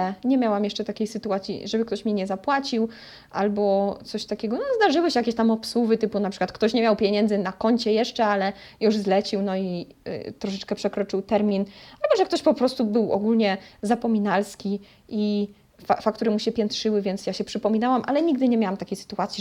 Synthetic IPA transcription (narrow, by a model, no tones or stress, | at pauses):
ɛɲɛmʲjawamjɛʂt͡ʂɛt̪akʲejsɘt̪uat̪sʲjḭʐɛbɘkt̪ɔɕmʲɛɲɛzapwat͡ɕiw | ʔa̰lbɔt̪sɔɕt̪akʲɛɡɔnɔzd̪aʐɘwɘɕɛjakʲeɕt̪amɔpswuvɘt̪ɘpunapʂɨkwat̪kt̪ɔɕɲɛmʲjawpʲjeɲɛnd̪zɘnakɔɲt͡ɕɛjɛʂt͡ʂɛalɛ | juʐzlɛt͡ɕiwnɔḭ | t̪ɾɔʂɛt͡ʂkɛpʂɛkɾɔt͡ʂɘwt̪ɛɾmʲinalbɔʐɛkt̪ɔɕpɔpɾɔst̪ubɘwɔ̰ɡulɲɛzapɔmʲinalskʲi | ʔi | fafakt̪uɾɛmuɕɛpʲjɛnt̪ʂɘwɘvʲjɛnt̪sjaɕɛpʂɘpɔmʲinawamʔa̰lɛɲiɡ̚d̪ɘɲɛmjawamt̪akʲejsɘ̥t̪uat̪sʲi